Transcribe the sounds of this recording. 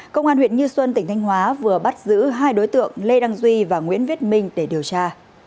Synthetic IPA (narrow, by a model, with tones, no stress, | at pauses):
kə˧wŋ͡mʔaː˧nhwi˧˨ənɲɨ˧swə˧nt̪ï˧˩ŋ̟t̪ʰjŋ̟hɦwaː˨˦vɨ˨˩əɓa˦˥t̚zɨ̰˧˥ɦaː˧jɗo˨˦jt̪ɨ̰˧˨əŋle˧ɗa˧ŋzwi˧vaː˨˩ŋwḭ˧˥ənvi˦˥ət̚mï˧ŋ̟ɗe˧˩ɗi˨˩əwt͡ɕaː˧